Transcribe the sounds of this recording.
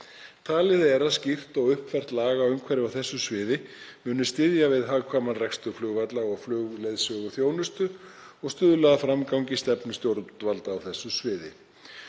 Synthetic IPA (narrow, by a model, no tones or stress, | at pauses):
t̪ʰaːlɪðɛɾaðscɪft̪ɔɣʏhpfɛr̥t̪laːɣaːʏmkʰvɛɾɪawθɛsːʏsvɪːðɪmʏːnʏst̪ɪðjavɪðɦaːɣkʰvaːmanrɛkst̪ʏflʏːɣvat̪laɣɔɣflʏːɣlejðsœɣʏθjoːwnʏst̪ʏ | ɔɣst̪ʏːðʏlaðafɾamkawɲcɪst̪ɛpnʏst̪jowɾvalt̪aːwθɛsːʏsvɪːðɪ̰